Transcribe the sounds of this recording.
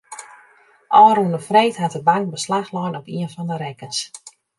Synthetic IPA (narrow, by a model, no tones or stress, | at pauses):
ʔɔːɾundəfreːtɦatəbaŋk̚bəslaxlɔjnɔpiənfɔndəɾɛkəns